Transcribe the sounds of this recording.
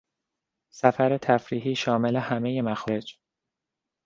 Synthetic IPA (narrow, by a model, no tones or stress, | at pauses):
sæfæɾe̞t̪ʰæfɾiːɦiːʃɒːme̞le̞hæme̞je̞mæxɾed͡ʒ